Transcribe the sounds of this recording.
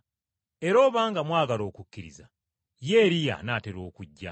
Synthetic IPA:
e̞ɾo̞ːβaːŋɡamwaːɡalo̞ːkucːiɾḭza | je̞ːɾija̰nateɾo̞ːkuɟːa̰

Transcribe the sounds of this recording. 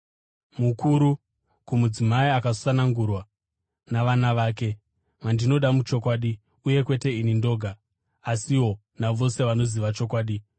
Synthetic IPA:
mukuɾu | kumud͡zimaiakasanaŋɡurwa | naʋanaʋaːke̞ | mandino̞ɗamut͡ʃo̞kwaːɗi | uje̞kwe̞te̞inindo̞ɡʱaː | siwo̞ | naʋo̞se̞ʋano̞ziʋat͡ʃo̞k̬waːɗi

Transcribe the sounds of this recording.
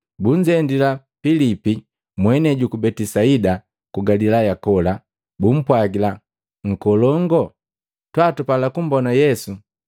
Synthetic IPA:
buɲd͡ʒɛndila | filipi | mwɛnɛɟukubɛtisaida | kuɡalilajakɔla | bum̩pwaɡila | ŋ̩kɔlɔŋɡɔ | twaːtupalakum̩bɔnajɛsu

